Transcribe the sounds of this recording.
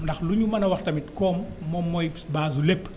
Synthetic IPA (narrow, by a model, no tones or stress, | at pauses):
ndɐxluɲumɐnɐwɐxtɐmitkɔːmːɔmːɔjbaːzulepː